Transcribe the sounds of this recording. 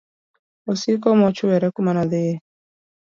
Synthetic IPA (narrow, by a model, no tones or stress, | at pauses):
osikɔmɔt͡ʃʊwɛɾɛkʊmanaðɪje